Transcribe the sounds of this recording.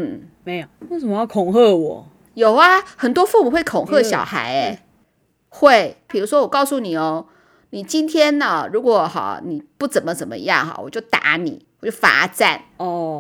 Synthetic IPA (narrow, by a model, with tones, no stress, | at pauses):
n̩˥˩me˧˥ɪjwe˥˩sə˨˩mə˦jɑ˥˩kʰʊ˨˩ŋxɤ˥˩wɔ˨˩˦ | jo˨˩ʊɐ˦xə˨˩nt̪wɔ˥fu˥˩mu˨˩xwe˥˩ɪkʰo˨˩ŋxɤ˥˩ɕjɑ˨˩ʊxa˧˥ɪ | xwe˥˩ɪpi˨˩ɻu˧˥ʂwɔ˥wɔ˨˩kɑ˥˧ʊsu˥˩ni˨˩o˧˩ʊ | ni˨˩t͡ɕi˥nt̪ʰjɛ˥nə˨˩ɻu˧˥kwɔ˨˩xɑ̰˧˩ni˨˩pu˥˩t͡sə˨˩nmə˦t͡sə˨˩nmə̰˦jɑ̰˥˩ŋxɑ̰˩wɔ̰˨˩t͡ɕjo˥˩ʊt̪a̰˧˥nḭ˨˦wɔ˨˩t͡ɕjo˥˩fa̰˧˥ʈ͡ʂa̰˥˩nɔ˥˩